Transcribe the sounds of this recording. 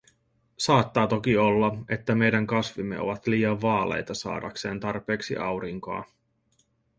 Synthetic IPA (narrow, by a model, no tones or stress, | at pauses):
sɑːt̪ːɑːt̪o̞kio̞lːɑe̞t̪ːæme̞jdæŋkɑsʋimːe̞̰o̞̰ʋɑt̪liːɑʋʋɑːle̞̰jt̪ɑsɑ̰ːdɑ̰kse̞ːnt̪ɑrpe̞ːksḭʔɑwɾiŋko̰ɑ̰